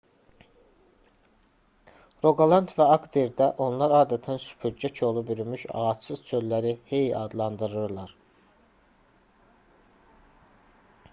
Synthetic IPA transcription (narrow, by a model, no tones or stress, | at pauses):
ɾo̞ɡɑlˠɑnt̪ʰvæɑɡd̪eɾd̪æʔo̞nlˠɑɾɑːd̪æt̪ʰænsy̥pʰyɾd͡ʒæcʰo̞lˠubyɾymyʃɑ̰ɑt͡ʃsɯzt͡ʃʰøllæɾihejiɑ̰d̪lˠɑnd̪ɯɾɯɾlˠɑɾ